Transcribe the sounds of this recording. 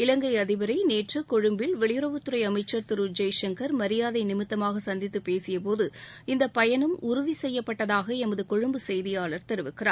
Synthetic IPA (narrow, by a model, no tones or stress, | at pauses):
ɪlɐŋɡɐɪɐðɪʋɐɾɐɪneːʈrɯkɔɻɯmbɪlʋɛɭɪjɯɾɐʋɯt̪ːɯɾɐɪɐmɐɪt͡ʃːɐɾt̪ɪɾɯd͡ʒɐjʂɛŋkɐɾmɐɾɪjaːðɐɪnɪmɪt̪ːɐmaːɣɐsɐnd̪ɪt̪ːɯpːeːsɪjɐp̬oːðɯɪnd̪ɐpɐjɐnɯmʊɾʊðisɛjːɐpːɐʈːɐðaːɣɐɛmɐðɯkɔɻɯmbɯsɛjðɪjaːɭɐɾt̪ɐɾɯʋɪkːɪra̰ːɾ